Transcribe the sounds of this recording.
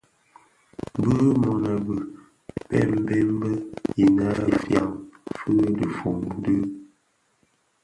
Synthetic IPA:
bə˦mɔ˨na˨bə˨ | b̥ɛ̰˦m˦bɛ˦m˦bə˦i˨na˦˨fja̰˦ŋfɨ˦də˨fu˨ŋn˦də˦

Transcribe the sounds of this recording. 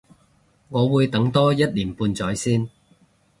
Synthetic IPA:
ŋɔː˨˧wuː˨˧jt̪ɐ˨˥ŋt̪ɔː˥jɐ˥t̚liː˨˩npuː˨˧nt͡sɔː˨˥jsiː˥n

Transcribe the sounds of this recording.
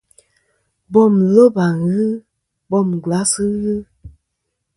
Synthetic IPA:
bɔ˦˨mlo˦ba˨ɣɨ˦ | bɔ˧˨m˨ɡa˨˦sɨ˦ɣɨ˦

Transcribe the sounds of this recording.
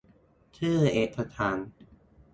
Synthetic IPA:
t̪ʰɯː˥˩ʔeː˨˩t̪̚ʰːa˧t̪ʰaː˩˦n

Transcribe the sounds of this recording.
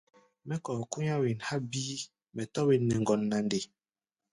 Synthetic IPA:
mɛ˦kɔ˨ku˦ɲa˦wi˨nha˦biː˦ | mɛ˨tɔ˦wi˨nːɛ˨ŋ˨ɡɔ˨nːa˨nde˨

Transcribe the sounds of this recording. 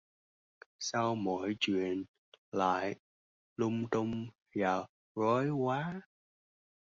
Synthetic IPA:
sa˧wmo̰˧˥jt͡ɕwḭ˧˨ən | la̰ː˧˨j | lʊ˧ŋ͡mt̪ʊ˧ŋ͡m | vaː˨˩w | ɹɔ˨˦jkwaː˨˦

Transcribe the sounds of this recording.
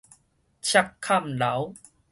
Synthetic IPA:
t͡ɕʰa˧kʰːa˥˧˨mla˨˦w

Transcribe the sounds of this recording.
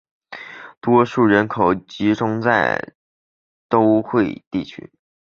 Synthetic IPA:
t̪wɔ˥ʂu˥˩ɻə˧˥nkʰo˨˩ʊt͡ɕi˧˥ʈ͡ʂʊ˥ŋt͡sa˥˧˩ɪ | t̪o˥ʊxwe˥˧ɪt̪i˥˩t͡ɕʰy̰˥

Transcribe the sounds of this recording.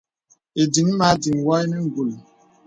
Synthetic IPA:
e˨di˨ŋ˦ma˨˦di˨ŋ˨wɔ˦jni˦ŋ̩˨ɡu˨l

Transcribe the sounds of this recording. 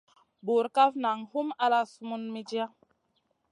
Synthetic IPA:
bu˨ɾka˦vna˨ŋhu˦ma˦la˦su˦mu˦nmi˦d͡ʒi˦a˦

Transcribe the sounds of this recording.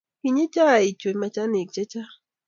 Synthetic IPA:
i˨ɲe˦t͡ʃa˦a˨i˨t͡ʃo˨˦mɛ˦t͡ʃa˦ne˨t͡ʃe˦t͡ʃa˦

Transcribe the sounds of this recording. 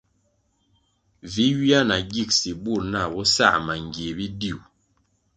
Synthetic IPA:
vi˨˦wi˦a˦na˨ɡi˦˨k̚si˨bu˦˨ɾna˦˨bɔ˦sa̰˦˨ʔma˨ŋɡje˨bi˦di˦˨u˨

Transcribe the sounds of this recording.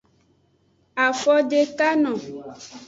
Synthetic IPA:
a˨fɔ˦ɖe˨ka˦nɔ̃˨

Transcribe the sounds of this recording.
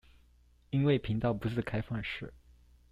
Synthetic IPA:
i˥nwe˥˩ɪpʰi˧˥ŋt̪ɑ˥˩ʊpu˧˥sɹ̩˥˩kʰa˥ɪfɑ˥˧ŋʂɻ̩˥˩

